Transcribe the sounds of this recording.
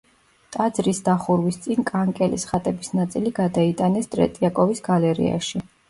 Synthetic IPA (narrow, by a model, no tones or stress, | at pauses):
t̪ʼad̪zɾisd̪aχuɾwist̪sʼinkʼaŋkʼɛlisχat̪ʼɛbisnat̪sʼiliɡad̪ait̪ʼanɛst̪ʼɾɛ̰t̪ʼiakʼɔvisɡ̥alɛɾḭa̰ʃi